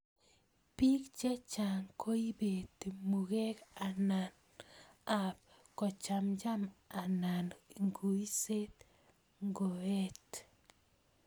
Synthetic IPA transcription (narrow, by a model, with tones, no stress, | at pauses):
pi˦kt͡ʃɛ˦t͡ʃa˨ŋkʰo˦i˦be˨t̪e˨mu˨kɛ˦ka˨na˨n | a˨p̚ | kɔ˨t͡ʃa˨md͡ʒa˦ma˨na˨nŋɡu˨i˦se˦t̪ | ŋɡo˨ɛ˦t